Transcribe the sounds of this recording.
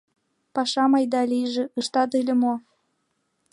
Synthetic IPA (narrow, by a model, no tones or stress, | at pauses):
pɑʃɑmɑjd̪ɑlijʒĕɯʃt̪ɑt̪ɯlʲə̆mo